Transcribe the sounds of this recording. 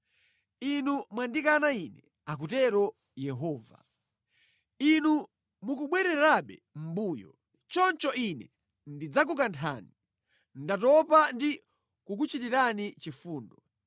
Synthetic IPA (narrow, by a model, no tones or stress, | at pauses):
inumwandikanainɛ | ak̬utɛɾɔ | jɛɦɔːva̰ | inu | mukuɓwɛɾɛɾaɓɛm̩buːjɔ̰ | t͡ʃɔnt͡ʃɔinɛ | ndid͡zak̬uk̬antʰa̰ːni | ndatɔpandi | kuk̬ut͡ʃitiɾanit͡ʃifuːndɔ